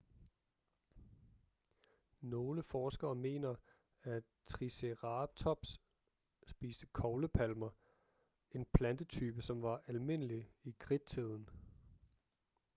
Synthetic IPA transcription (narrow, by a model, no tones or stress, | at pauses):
no̝ːləfɒːsɡ̥ɐːme̝̰ːnɐ | æ | t͡sʰʁiseʁɑb̥t͡sʰɒ̽b̥sː | b̥ḭːsd̥əkʰɒʊləpʰælmɐ | e̝npʰlænd̥ət͡sʰyːb̥əsɒ̽mʋɑ̈ʔælme̝n̰əliiɡ̥ʰʁid̥̚t͡sʰið̞ˠn̩